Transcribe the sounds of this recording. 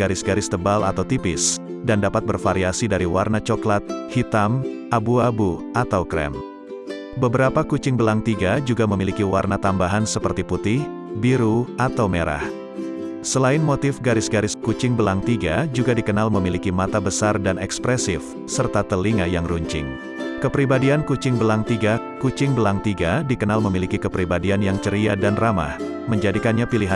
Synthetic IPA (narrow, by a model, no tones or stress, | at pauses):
ɡaɾɪsɡaɾɪst̪əbalʔa̰t̪awt̪ipɪs | dandapat̪̚bərfaɾiasidaɾiwarnat͡ʃoklat̪̚hit̪am | ʔabuabu | at̪awkɾɛ̰m | bəbəɾapakut͡ʃɪŋbəlaŋt̪iɡad͡ʒuɡaməmilikiwarnat̪ambaɦansəpərt̪iput̪ɪh | biɾuat̪awmeɾʔa̰h | səlaɪnmot̪ɪfɡaɾɪsɡaɾɪskut͡ʃɪŋbəlaŋt̪iɡad͡ʒuɡadikənalməmilikimat̪abəsardanɛkspɾɛsɪf | sərt̪at̪əliŋajaŋruɲt͡ʃɪ̰ŋ | kəpɾibadiankut͡ʃɪŋbəlaŋt̪iɡa | kut͡ʃɪŋbəlaŋt̪iɡadikənalməmilikikəpɾibadianjaŋt͡ʃəɾiadanrama̰h | məɲd͡ʒadikanɲapiliɦa